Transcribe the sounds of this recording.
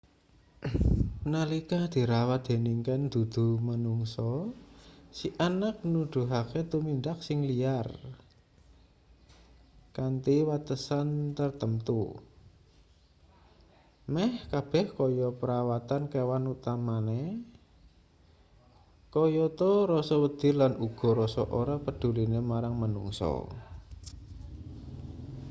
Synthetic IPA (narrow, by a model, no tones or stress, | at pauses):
nalikad̪̥i̤ɾawat̪̚d̪̥e̤niŋkand̪̥ṳd̪̥ṳmənuŋsɔ | siʔanak̚nud̪̥ṳɦaket̪umind̪ak̚sɪŋliar | kant̪iwat̪əsant̪ərt̪əmt̪ṵ | mɛhkab̥ɛhkɔjɔpəɾawat̪ankewanut̪amane | kɔjɔt̪ɔɾɔsɔwəd̪̥ɪ̤rlanuɡ̥ɔ̤ɾɔsɔʔoɾapəd̪̥ṳlinemaɾaŋmənṵŋsɔ̰